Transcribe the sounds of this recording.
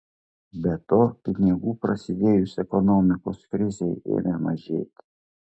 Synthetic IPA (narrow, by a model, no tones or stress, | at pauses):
bʲɛt̪ɔkʲɪnʲɛɡupɾɐsʲɪd̪ʲeːjusɛkɔnɔmɪkoskɾɪzʲɛjḛnɛmɐʒʲḛt̪ʲ